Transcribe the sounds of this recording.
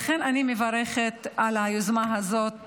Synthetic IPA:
χenanimevaɾeχet̪alajozmaɦazo̞t̪̚

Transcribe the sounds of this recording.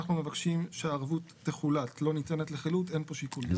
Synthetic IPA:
aχnumevakʃimʃeaːʁvut̪ːeχulatlo̞nitenetleχilute̞npo̞ʃikul

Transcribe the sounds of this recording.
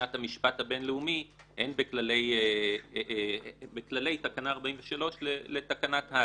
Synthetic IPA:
athamiʃpathabe̞nleumihenbeklale̞je | beklale̞jtakanaːʁbaimveʃalo̞ʃlele̞takanatha

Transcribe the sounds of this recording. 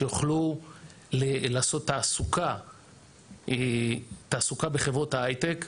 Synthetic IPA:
joχlu | lelaːso̞t̪ːaːsuka | et̪aːsukabe̞χevʁo̞thaajt̪ek

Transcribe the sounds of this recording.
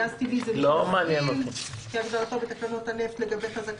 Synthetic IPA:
azt̪ivizelomeanjenot̪ukiaɡdaʁat̪o̞bet̪aklanot̪haneft̪leɡabe̞jχazak

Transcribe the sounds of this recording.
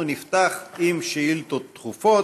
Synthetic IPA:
unift̪aχimʃiilt̪ot̪ːχufo

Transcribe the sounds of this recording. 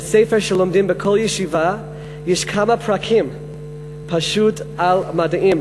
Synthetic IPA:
sejfɛɹʃɛlomdimbəkʰoljɛʃiva | jɛʃkʰamapʰɹakʰim | pʰaʃutalmadaʔĩm

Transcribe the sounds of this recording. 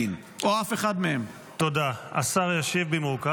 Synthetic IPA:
in | ʔoafeχadmeem | t̪o̞d̪aa̰saʁjaʃevbemuʁka

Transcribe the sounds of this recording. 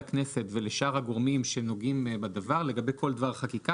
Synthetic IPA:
kne̞se̞t̪ve̞leʃaʁhaɡoʁmimʃeno̞ɡimbad̪avaʁle̞ɡabe̞jkʰo̞ld̪vaʁχakika

